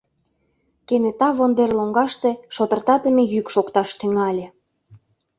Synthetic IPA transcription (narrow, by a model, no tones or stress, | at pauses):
kenet̪ɑβond̪erloŋɡɑʃt̪eʃot̪ə̆rt̪ɑt̪əmejykʃokt̪ɑʃt̪yŋɑlʲe